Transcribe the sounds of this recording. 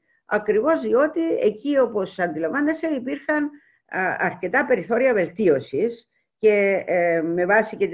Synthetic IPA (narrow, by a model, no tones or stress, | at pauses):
ɐkɾivo̞zðio̞t̪ie̞̰cio̞po̞sɐnd̪ilɐmvɐnːese̞ipiɾxɐn | ɐɾce̞t̪ɐpe̞ɾiθo̞ɾiɐve̞lt̪io̞sis | ce̞ | me̞vɐsicet̪